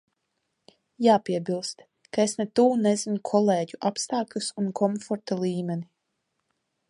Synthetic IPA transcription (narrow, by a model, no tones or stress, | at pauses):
jaːpiɛbilˠst̪ | kaesnɛt̪uːnɛzinukʰɔleːɟuʔapst̪aːklʲusunkʰɔmfɔɾt̪alˠiːmɛni